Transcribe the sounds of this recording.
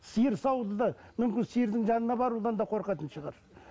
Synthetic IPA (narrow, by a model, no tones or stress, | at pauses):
sijəɾsɑwd̪əd̪ɑmʏmkʲɪnsijəɾd̪ɪŋʒɑnənɑbɑɾud̪ɑnd̪ɑqʰo̞ɾqɑt̪ənʃəʁɑɾ